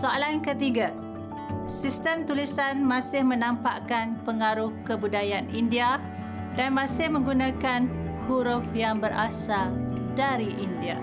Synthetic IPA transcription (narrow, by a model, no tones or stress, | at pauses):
soalankət̪iɡa | sist̪əmt̪ulisanmãsɪhmənampaʔkanpəŋaɾʊhkəbudajanindia | danmãsɪhmə̃ŋɡunãkanbuɾʊpjaŋbəɾʔa̰sadaɾiʔindia̰